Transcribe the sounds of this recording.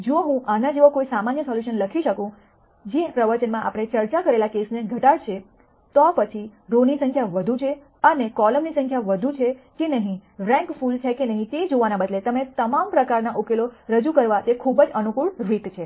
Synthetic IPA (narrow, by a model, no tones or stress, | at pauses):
d͡ʒoɦũʔanãd͡ʒeʋokoisamanjəsɔljuʃənləkʰiʃəkũ | d͡ʒepɾəʋəɾt͡ʃənmãʔa̰pəɽ̃et͡ʃəɾt͡ʃakəɾelakesneɡʱəʈaɽt͡ʃʰe | t̪ɔpət͡ʃʰiɾonisə̃ŋkʰjaʋəd̪ʱũt͡ʃʰe | ənekɔləmnisə̃ŋkʰjaʋəd̪ʱũt͡ʃʰekenəɦĩɾɛ̃ŋkfult͡ʃʰajkenəɦĩt̪ed͡ʒoʋanabəd̪let̪əmet̪əmampɾəkaɾnaʔukeloɾəd͡ʒukəɾʋat̪ekʰubəd͡ʒənukuɭʋit̪t͡ʃʰe